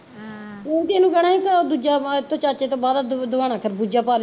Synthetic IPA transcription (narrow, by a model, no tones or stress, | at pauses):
oːd̪eːnũːɡɛɽ̃aːiːt̪ãːd̪uːd͡ʒaːɪt̪ːõːt͡ʃaːt͡ʃeːt̪õːbaːd̪ad̪əʋaːɽ̃aːkʰəɾbuːd͡ʒaːpaːl